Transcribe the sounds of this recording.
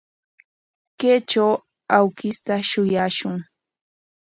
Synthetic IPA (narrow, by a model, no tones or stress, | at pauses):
keːt͡ʃaw | awkɪst̪aʃʊjaːʃʊŋ